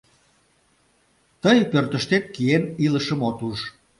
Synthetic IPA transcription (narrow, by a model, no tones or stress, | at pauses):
t̪əjpørt̪əʃt̪et̪̚kieniləʃəmot̪uʒ